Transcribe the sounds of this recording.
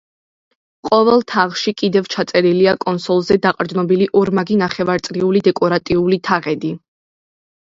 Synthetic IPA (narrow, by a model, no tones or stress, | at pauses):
qʼɔvɛlˠt̪ʰaʁʃikʼid̪ɛvt͡ʃʰat̪sʼɛɾiliakʼɔnsɔlˠzɛd̪aqʼɾd̪nɔbiliʔɔɾmaɡinaχɛvaɾt̪sʼɾiulid̪ɛkʼɔɾat̪ʼiulit̪ʰaʁɛd̪i